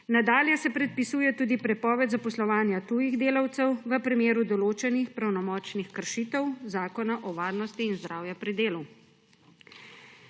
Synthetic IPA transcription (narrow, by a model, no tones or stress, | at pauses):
nad̪aːljɛsɛpɾɛt̪̚pisuːjɛt̪uːd̪ipɾɛpɔːʋɛd̪zapɔslɔʋaːnjat̪uːjiɣd̪eːlawt̪sɛwʋəpɾimeːɾud̪ɔloːt͡ʃɛnixpɾawnɔmɔːt͡ʃnixkəɾʃiːt̪ɛwzaːkɔnaʔɔʋaːɾnɔst̪iːnzd̪ɾaːwjɛpɾid̪eːlu